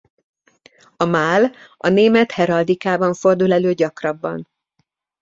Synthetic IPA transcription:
ɒmaːlɒneːmɛt̪hɛɾɒld̪ikaːbɒɱfo̞rd̪ulɛløːɟɒkrɒbːɒ̰n

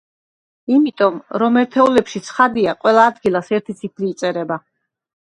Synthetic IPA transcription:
imit̪ʼɔmɾɔmɛɾt̪ʰɛulɛpʃit̪sʰχad̪iaqʼwɛlˠaːd̪ɡilˠasɛɾt̪ʰit̪sʰipʰliːt̪sʼɛɾɛba

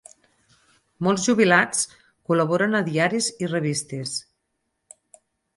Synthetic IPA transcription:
mɔlˠzʒuβ̞ilat͡s | kuləβ̞ɔɾənəðiaɾizireβ̞ist̪es

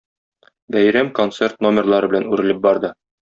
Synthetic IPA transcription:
bæjɾæmko̞nt̪se̞rt̪no̞mʲɪrlˠɑɾɤbɘ̆lænʉɾɘ̆lɘp̚bɒɾd̪ɤ

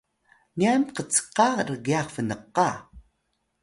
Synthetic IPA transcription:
niamqət͡sqɑɾəɡiaχfənəqɑ

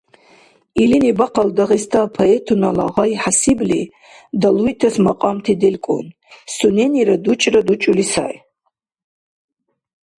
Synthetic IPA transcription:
ilinibaqʰaldaʁistʰaːpʰaetʰunala̰ʁajħasibli | dalujtʰasmaqʼamtʰidelkʷʼṵn | suneniɾadut͡ʃʼradut͡ʃʼulisa̰j

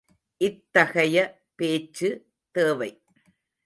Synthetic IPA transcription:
ʔɪt̪ːɐɣɐjɐ | peːt͡ʃːɯ | t̪eːʋɐɪ

